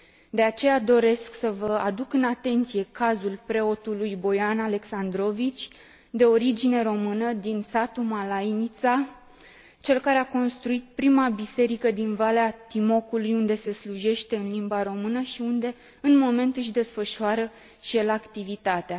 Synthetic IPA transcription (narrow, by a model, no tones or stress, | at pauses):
d̪e̞at͡ʃe̞jad̪o̞ɾe̞sksəvəad̪ukɨnat̪e̞nt̪sije̞kazulpɾe̞o̞t̪ulujbo̞janale̞ksand̪ɾo̞vit͡ʃʲ | d̪e̞o̞ɾid͡ʒine̞ɾo̞mɨnəd̪insat̪umalainit̪sa | t͡ʃe̞lkaɾe̞ako̞nst̪ɾuit̪̚pɾimabise̞ɾikəd̪invaleat̪imo̞kulujund̪e̞se̞sluʒe̞ʃt̪e̞ɨnlimbaɾo̞mɨnəʃiund̪e̞ | ɨnmo̞mẽ̞nt̪ɨʃd̪e̞sfəʃuaɾə | ʃielakt̪ivit̪at̪ea